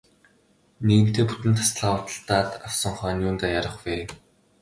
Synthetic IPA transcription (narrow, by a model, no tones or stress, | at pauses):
neɣɘ̆n̥t̪eːput̪ɘ̆nt̪ʰːḁst̪ɮaːwət̪ə̥̆ɬt̪aːt̪aw̥sɞ̆ŋχœːnʲjuːnt̪ajaɾə̆χweː